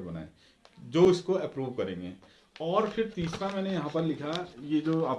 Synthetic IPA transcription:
bɐna̰ːẽ | d͡ʒoːʊskoɛpɾuːʋkɐɾẽːŋɡḛː | ɔːɾfʰɪɾt̪iːsɾamɛ̃ːnejɐɦãpɐɾlɪkʰajed͡ʒoːaːp̚

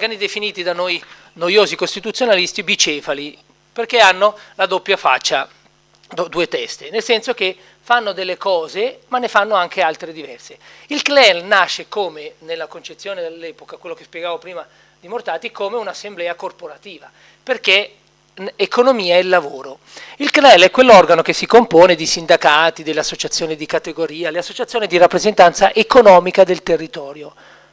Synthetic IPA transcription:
ɡanid̪efiniːt̪id̪anoj | nojoːzikost̪it̪ut̪sːjonalist̪ibit͡ʃɛːfali | perkeanːolad̪opːjafa̰t͡ʃːa | d̪d̪uːet̪ɛst̪enelsɛnsok̟e | fanːod̪elːekɔːzemanːefanːoaŋk̟ealt̪ɾed̪ivɛrseilklɛlnaʃːekoːmenelːakont͡ʃet̪sːjoːned̪elːɛːpokakwelːokespjɛɡaːvopɾiːma | d̪imort̪aːt̪ikomeunasːemblɛːakorpoɾat̪iːva | perke | ekonomiːaɛlːavoːɾo | ilklɛlɛkwelːɔrɡanok̟esːikompoːned̪isind̪akaːt̪id̪elːeasːot͡ʃat̪sːjoːnid̪ikat̪eɡoɾiːaleasːot͡ʃat̪sjoːnid̪iɾapːɾezent̪ant̪saʔekonɔːmikad̪elt̪erːit̪ɔːɾjo

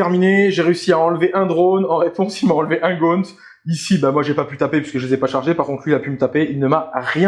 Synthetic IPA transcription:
ɛʁmineʒeʁeysiaɑ̃lveʔɛ̃d̪ʁonɑ̃ʁepɔ̃silmaɑ̃lveʔɛ̃ɡont̪ | isibamwaʒepapyt̪apepɥiskəʒəlezɛpaʃaʁʒepaʁkɔ̃t̪χʰlɥilapymət̪apeilnəmaʁjɛ̃

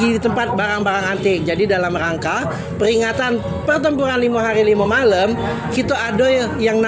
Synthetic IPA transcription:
ɡidit̪əmpat̪̚baɾaŋbaɾaŋant̪ɪk̚d͡ʒadidalamraŋka | pəɾiŋat̪an | pərt̪əmpuɾanlimaɦaɾilimamaləm | kit̪aadɔjjaŋn

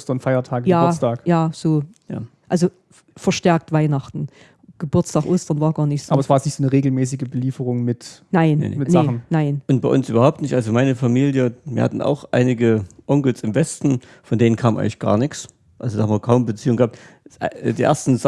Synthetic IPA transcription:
stɐnfaɪɐtʰaːɡjaːtʰaːkjaːz̥oː | ja̰ːʔalzo | fɛɐʃtɛɐk̚tv̥aɪnaχtn̩ | ɡ̥əbʊɐt͡stʰaːkʔoːstɐnvɑːɐɡaːɐnɪç̥ʔaːbɐɛsv̥aːɐjɛsnɪçtz̥oːnəʁeːɡl̩mɛːs̬ɪɡəbəliːfəʁʊŋmɪtnaɪn̰mɪnzaχn̩naɪnʔʊnt̚b̥aɪʔʊnsʔyːbɐɦaʊptnɪçtʔalzomaɪnəfamiːljəviːɐha̰tn̩ʔa̰ʊxʔa̰ɪnɪɡəʔɔŋkl̩sɪmvɛstn̩ | fɔndeːnənkʰaːmʔaɪŋlɪ̥çɡ̥a̰ːɐnɪçs | ʔalzodaːhamviːɐkʰaʊmbət͡siːʊŋɡəhap̚tː | diːʔḛɐstn̩z

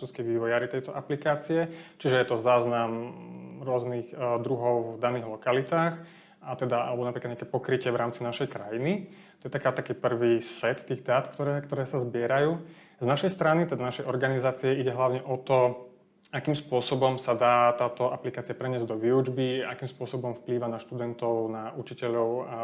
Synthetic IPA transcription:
uːskɛjʋiːʋɔjaːɾit̪ɛjt̪ɔʔaplikaːt͡siɛt͡ʃiʒɛjɛt̪ɔzaːznamɾʊɔzniɣd̪ɾuɦɔʊvd̪aniːɣlɔkalit̪aːx | at̪ɛd̪aa̰lɛbɔnapɾikad̪ɲakɛpɔkɾicɪɛʋɾaːmt͡sinaʃɛjkɾajini | t̪ɔjɛt̪akaːt̪akiːpr̩ʋiːsɛt̪ːiːɣd̪aːt̪kt̪ɔɾɛkt̪ɔɾɛːsazbɪɛɾajuː | znaʃɛjst̪ɾanit̪ɛd̪anaʃɛjʔɔɾɡanizaːt͡siɛiɟɛɦlaʊɲɛʔɔt̪ɔ | akiːmspʊɔsɔbɔmsad̪aːt̪aːt̪ɔaplikaːt͡siapɾɛɲɪɛzɟd̪ɔʋiud͡ʒbiakiːmspʊɔsɔbɔmfpliːʋanaʃt̪ud̪ɛnt̪ɔʊnaʔut͡ʃicɛʎɔʊ

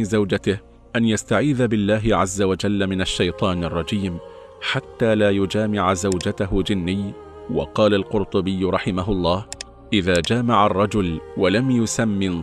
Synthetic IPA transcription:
zawd͡ʒat̪ɪh | ʔanjast̪aʕiːðabɪlːaːɦɪʕazːawad͡ʒalːamɪnaʃːajt̪ˤɑːnɑrˤːɑd͡ʒiːm | ħat̪ːaːlaːjʊd͡ʒaːmɪʕazawd͡ʒat̪aɦʊd͡ʒɪnːɪj | wɑ̰qɑːlalqʊɾt̪ˤʊbɪjːɾˤɑħɪmaɦʊʔlˤːɑːh | ʔɪðaːd͡ʒaːmaʕarˤːɑd͡ʒʊlwalamjʊsamːɪn

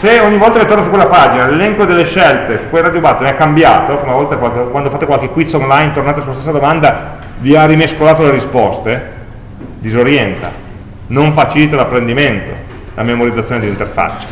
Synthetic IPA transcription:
seoɲːivɔlt̪alet̪ornosukwelːapad͡ʒinalelɛŋkod̪elːeʃɛlt̪esu̥kːwejrad̪jobat̪ːnɛkːambjaːt̪okomavɔlt̪akwakwand̪ofat̪ːekwalkekwit̪sonlajnt̪ornat̪eas̬uːast̪esːad̪omand̪a | viarimeskolaːt̪oleɾispɔst̪e | d̪izoɾjɛnt̪a̰ | noɱfat͡ʃilit̪alapːɾend̪iment̪o̰ | la̰memoɾid̪zat̪sːjoned̪int̪erfa̰t͡ʃːe̥

